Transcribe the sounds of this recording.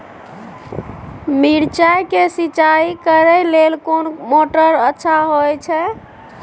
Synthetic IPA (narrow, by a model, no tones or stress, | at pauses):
miɾt͡ʃajkesit͡ʃaikəɾɛlelkonmoʈəɾətːʃʰaɦojt͡ʃʰɛ